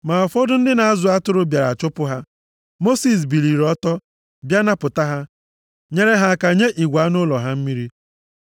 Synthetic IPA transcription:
ma˨ɔ˨fɔ˦dʊ˦n̩˦dɪ˦na˨a˦zʊ˨a˦tʊ˦ɾʊ˦bja˨ɾa˨t͡ʃʊ˦pʊ˦ɦa˦ | mo˦si˨s̬bi˨li˨ɾɔ˦tɔ˦ | bja˦na˦pʊ˨ta˦ɦa˦ | ɲe˦ɾe˦ɦa˦˨ka˨ɲe˦ʔi˨ɡʷa˨˦nʊ˦lɔ˨ɦa˦m̩˦mi˦ɾi˦

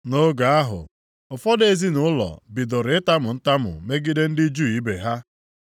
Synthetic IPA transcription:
no˦ɡa˨a˦ɦʊ̰˨ | ʊ˨fɔ˦de˨zi˦nʊ˦ʊ˦lɔ̰˨bi˨do˨ɾɪ˨ɪ˦ta˦mʊ˨n̩˦ta˦mʊ̰˨me˦ɡi˦de˦n̩˦dɪ˦d͡ʒu˦i˦be˨ɦa˦

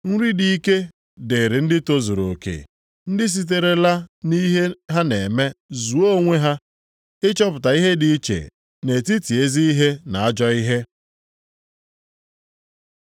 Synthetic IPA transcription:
ŋ̩˦ɾi˦di˨i˦ke˦ | de˨ɾi˨n̩˦dɪ˦to˦zo˨ɾo˨kḛ˨ | n̩˦dɪ˦s̬i˦t̬e˨ɾe˨la˦ni˦ɦe˦ɦa˦ne˨me˦zu˨o˦o˦˨ŋʷe˦ɦa˦ | ɪ˦t͡ʃɔ˦p̬ʊ˨ta˨i˦ɦe˦di˨i˦t͡ʃḛ˨ | ne˨ti˦ti˨e˦zi˦i˦ɦe˦na˨a˦d͡ʒɔ˦i˦ɦe˦

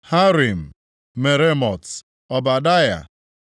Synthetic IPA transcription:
ha˦ɾi˨m̩˨ | me˨ɾe˦mɔ˨t | ɔ˨ba˨da˦ja̰˨

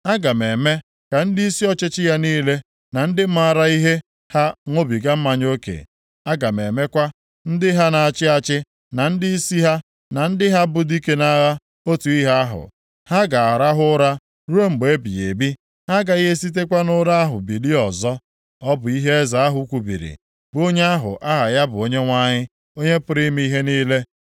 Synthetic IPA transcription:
a˦ɡa˨me˨me˦ | ka˨n̩˦di˦i˦si˦ɔ˦t͡ʃɪ˦t͡ʃɪ˦ja˦niː˦le˦ | na˨n̩˦dɪ˦m̩˦a˨ɾa˦i˦ɦe˦ | ha˦ŋʷo˦bi˨ɡa˦m̩˦ma˨ɲ˦o˦kḛ˨ | a˦ɡa˨me˨me˦kʷa˦ | n̩˦dɪ˦ɦa˦na˨a˨t͡ʃɪ˦a˦t͡ʃɪ˦ | na˨n̩˦dɪ˦i˦si˦ɦa˦ | na˨n̩˦dɪ˦ɦa˦bʊ˨di˦ke˦na˦ɣa˦ | o˦tu˨i˦ɦa˦a˦ɦʊ̰˨ | ha˦ɡa˨a˨ɾa˦ɦʊ˦ɾa˦ | ɾu˦o˦ŋ͡m̩˨ɡ͡be˨e˦bi˨je˨bi˦ | ha˦ɡa˨i˦ɦe˦s̬i˦t̬e˦kʷa˦nʊ˦ɾa˦a˦ɦʊ̰˨bi˨li˦ɔ˨zɔ˦ | ɔ˦bʊ˨i˦ɦe˦e˦za˨a˦ɦʊ˦kʷu˨bḭ˨ɾḭ˨ | bo˦ɲe˦a˦ɦʊ̰˨ʔa˦ɦa˨ja˦bʊ˨o˦ɲe˦ŋʷa˦ɲɪ˦ | o˦ɲe˦pʊ˨ɾi˦m˦i˦i˦ɦe˦niː˦le˦

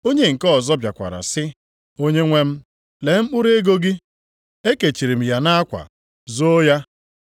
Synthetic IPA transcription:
o˦ɲe˦ŋ̩˨kɔ˦˨zɔ˦bja˨kʷa̰˨ɾa̰˨sɪ˦ | o˦ɲe˦ŋʷe˦m̩˦ | le˨m̩˦k͡pu˦ɾe˦ɡo˦ɡi˦ | e˦ke˨t͡ʃi˨ɾi˨m̩˨ja˨na˦a˦kʷa̰˨ | zo˦ja˦

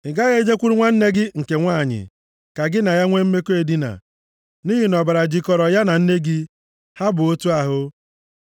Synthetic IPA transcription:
ɪ˨ɡa˦ɣe˦d͡ʒe˦kʷu˦ɾi˦ŋʷa˦n̩˦ne˦ɡɪ˦ŋ̩˨ke˨ŋʷaː˦˨ɲɪ̰˨ | ka˨ɡɪ˦na˨ja˦ŋʷe˦m̩˦me˦ko˦e˨di˦na̰˨ | niː˦ɦi˨nɔ˨ba˨ɾa˨d͡ʒi˨kɔ˨ɾɔ˨ja˦na˨n̩˦ne˦ɡɪ˦ | ha˦bʊ˨o˦tu˦a˨ɦʊ˦

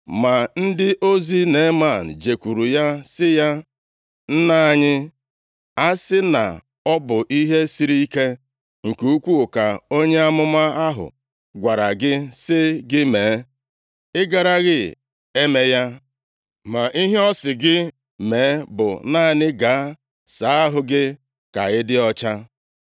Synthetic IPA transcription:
ma˨n̩˦dɪ˦ʔo˦zi˦ne˨˦ma˦˨n̩˨d͡ʒe˨kʷu˨ɾu˨ja˦sɪ˦ja˦ | n̩˦na˦˨ɲɪ˦ | a˦sɪ˦na̰˨ | ɔ˦bʊ˨ʔi˦ɦe˦si˦ɾi˦i˦ke˦ | ŋ̩˨ku˨u˦kʷu˦u˨ka˨o˦ɲe˦a˦mʊ˦ma˦a˦ɦʊ̰˨ | ɡʷa˨ɾa˨ɡɪ˦sɪ˦ɡɪ˦meː˨˦ | ɪ˦ɡa˨ɾa˦ɣɪ˦ | e˦me˦ja˦ | ma˨ʔi˦ɦe˦ɔ˦sɪ˨ɡɪ˦ | meː˨˦bʊ̰˨na˦˨ɲɪ˦ɡa˨a˦ | sa˨˦a˦ɦʊ˨ɡɪ˦ | ka̰˨ɪ˦dɪ˦ɔ˦t͡ʃa˦

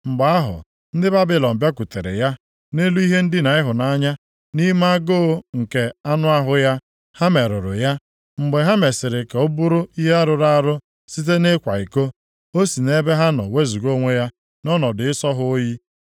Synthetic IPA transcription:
ŋ͡m̩˨ɡ͡ba˨a˦ɦʊ̰˨ | n̩˦dɪ˦ba˦bɪ˦lɔ˨m̩˨bja˦ku˨te˨ɾḛ˨ja˦ | ne˦lu˦i˦ɦe˦n̩˦dɪ˦na˨ɪ˦ɦʊ˨na˦ɲa˦ | ni˦ma˦a˦ɡo˦ŋ̩˨ke˨a˦nʊ˦a˦ɦʊ˨ja˦ | ha˦me˨ɾʊ˨ɾʊ̰˨ja˦ | ŋ͡m̩˨ɡ͡be˨ɦa˦me˨sɪ˨ɾɪ˨ka˨o˦bu˦ɾʊ˦i˦ɦe˦a˦ɾʊ˨ɾa˦ɾʊ˦ | si˦t̬e˦ne˦kʷa̰˨i˨ko˦ | o˦si˨ne˦be˦ɦa˦nɔ̰˨we˦zu˨ɡo˦ŋʷe˦ja˦ | nɔ˦nɔ˨dɪ˨ɪ˦sɔ˦ɦʊ˦ji˦

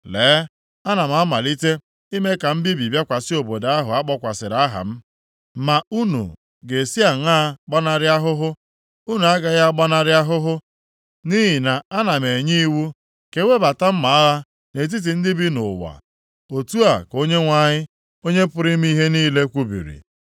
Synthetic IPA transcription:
leː˨˦ | a˦na˨m̩˨a˦ma˨li˦te˦ | i˦me˦ka˨m̩˦bi˦bi˨bja˦kʷa˨sɪ˦o˨bo˨da˦ɦʊ˨a˦k͡pɔ˦kʷa˨sɪ˨ɾa˦ɦa̰˨m̩˦ | ma˨u˦nṵ˨ | ɡe˨si˦a˨ŋaː˦k͡pa˦na˦ɾɪ˦a˦ɦʊ˦ɦʊ˦ | u˦nu˨a˦ɡa˦ja˦ɡ͡ba˦na˦ɾɪ˦a˦ɦʊ˦ɦʊ˦ | ni˦ɦi˨na˨a˦na˨me˨ɲi˦wu˦ | ke˨˦wʷe˦ba˨ta˦m̩˦ma˨a˦ɣa˦ | ne˨t̬i˦t̬i˨n̩˦dɪ˦bi˦nʊ̰˨wa̰˨ | o˨tu˦a˨ko˦ɲe˦ŋʷa˦ɲɪ˦ | o˦ɲe˦pʊ˦ɾɪ˦m̩˦i˦ɦe˦niː˦le˦kʷu˦bḭ˨ɾḭ˨

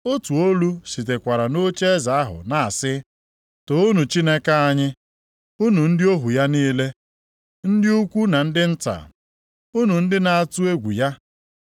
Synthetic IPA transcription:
o˦tu˨o˦lu˦si˨t̬e˨kʷa˨ɾa˨no˦t͡ʃe˦za˨a˦ɦʊ̰˨na˨a˨sɪ˦ | to˨u˦nu˨t͡ʃi˦ne˦ka˦a˦ɲɪ˦ | u˦nu˨n̩˦dɪ˦o˦ɦu˨ja˦niː˦le˦ | n̩˦dɪ˦u˦kʷu˦na˨n̩˦dɪ˦n̩˦ta̰˨ | u˦nu˨n̩˦dɪ˦na˨a˨tu˦e˦ɡʷu˨ja˦

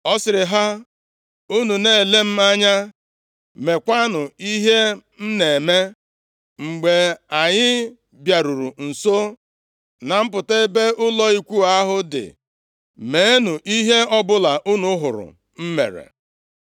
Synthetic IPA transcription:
ɔ˦sɪ˨ɾɪ˨ɦa˦ | u˦nu˨ne˦˨e˨le˦m̩˦a˦ɲa˦ | me˨kʷa˦nʊ˨i˦ɦe˦ | m̩˦ne˨me˦ | ŋ͡m̩˨ɡ͡be˨a˨ɲɪ˦ | bja˨ɾu˨ɾu˨n̩˨so˦ | na˨m̩˦pʊ˨te˦be˦ʊ˦lɔ˦i˦kʷu˦a˦ɦʊ˦dɪ̰˨ | me˨e˦nu˨ʔi˦ɦe˦ɔ˦bʊ˦la˨ʔu˦nu˨˦ɦʊ̰˨ɾʊ̰˨ | m̩˦mḛ˨ɾḛ˨

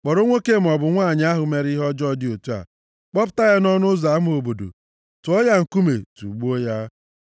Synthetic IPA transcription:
k͡pɔ˨ɾo˦ŋʷe˦ke˦˨m̩˨ɔ˨bʊ˨ŋʷaː˦˨ɲɪ˨˦a˦ɦʊ˨me˦ɾi˦ɦɔ˦d͡ʒɔ˦dɪ˦o˨tu˦a̰˨ | k͡pɔ˦pʊ̥˦ta˦ja˦nɔ˦nʊ˦za˨˦m˦o˨bo˨do̰˨ | tʊ˨ɔ˦ja˦ŋ̩˨ku˦mḛ˨tṵ˨ɡ͡bu˦o˦ja˦

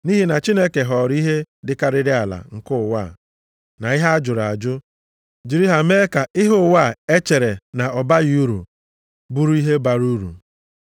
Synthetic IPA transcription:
ni˦ɦi˦na˨t͡ʃi˦ne˦ke˨ɦɔ˨ɾi˦ɦe˦dɪ˨ka˦ɾɪ˦ɾɪ˦a˨la̰˨ŋ̩˨kʊ˦˨wa˦˨ | na˨ɪ˦ɦa˦a˦d͡ʒʊ˨ɾa˨d͡ʒʊ˦ | d͡ʒi˨ɾi˦ɦa˨me˦ka˨ɪ˦ɦʊ˦˨wa˦˨e˦t͡ʃe˨ɾe˨na˨ɔ˨ba˦ju˦ɾṵ˨ | bu˦ɾu˦i˦ɦe˦ba˨ɾu˦ɾṵ˨

